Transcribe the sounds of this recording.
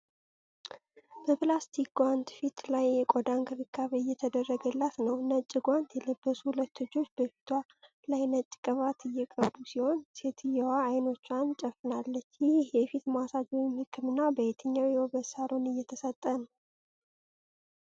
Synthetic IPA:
b̥əpʰlast̪ʰikwant̪fit̪lajːɛkʼod̪aŋɡʰɨɾɨkʰːaβejːɛt̪ʰəd̪ərːəɡəlːat̪nəwnət͡ʃʼːɪɡʷant̪jɛləbːəsuhulət̪ʰːod͡ʒːo̞t͡ʃːbəfi̥t̪ʰwa | lajnət͡ʃʼːkʼəβat̪ʰɨjːɛkʼəd̪usiho̞nse̞t̪ʰɨjɛwaːjno̞t͡ʃːant͡ʃʼəfɨnalːət͡ʃːjɪhɪhjɛfit̪masad͡ʒ̪wimhɨkʰːɨmɨnːabəhet̪ʰəɲːawjhobəsaɾo̞nɨjːɛt̪ʰəsət̪ʼːənə

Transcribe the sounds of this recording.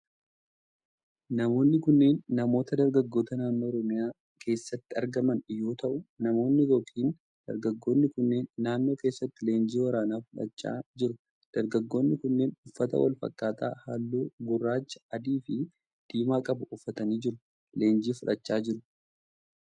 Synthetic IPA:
nɐmo̞ːnːɪkʊnːe̞ːnːɐmo̞ːt̪ɐd̪ɐɾɡɐɡːo̞ːt̪ɐnaːnːoːɔɾɔmɪjaː | kʰe̞ːsːɐt̪ːɪɐɾɡɐmɐnjo̞ːt̪ʰɐʔʊnɐmo̞ːnːɪjoːkʼiːn | d̪̥ɐ̰ɾɡɐɡːo̞ːnːɪkʊnːe̞ːnːaːnːo̞ːke̞ːsːɐt̪ːɪle̞ːnd͡ʒiːwɐɾaːnaːfʊᶑɐ̰t͡ʃːa̰ːd͡ʒɪɾʊ | d̪̥ɐɾɡɐɡːo̞ːnːɪkʊnːeːnʊfːɐt̪ɐ̰wɐ̰lfɐ̰kʼːaːt̪ʰa̰ːhaːlːuːɡʊrːaːt͡ʃːɐ̥ɐd̪iːfɪ | d̪̥iːmaːkʼɐbʊʔʊfːɐt̪ɐniːd͡ʒɪɾʊ | le̞ːnd͡ʒiːfʊᶑɐt͡ʃːaːd͡ʒɪɾʊ

